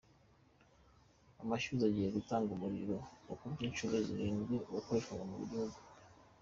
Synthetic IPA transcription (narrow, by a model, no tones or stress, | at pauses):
amaʃuzaɟihe̞ɡutaːŋɡumuɾḭɾo̞okumiːnʃuɾeziɾiːnziwakoɾekaŋamuβḭɟihuɡu